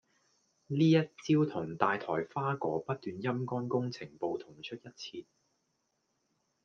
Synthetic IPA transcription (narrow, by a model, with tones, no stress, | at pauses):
liː˥jɐ˥t̚t͡siː˥wt̪ʰʊ˨˩ŋt̪aː˨jt̪ʰɔː˨˩jfaː˥kɔː˨˥pɐ˥t̚t̪yː˨njɐ˥mkɔː˥nkʊ˥ŋt͡sʰɪ˨˩ŋpo˨˧wt̪ʰʊ˨˩ŋt͡ʃʰɵ˥t̚jɐ˥t̚t͡sʰiː˧t̚